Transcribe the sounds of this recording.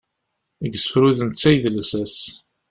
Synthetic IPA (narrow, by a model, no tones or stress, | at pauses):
əɡəsəfɾuðənt̪t͡sːæjðlsæs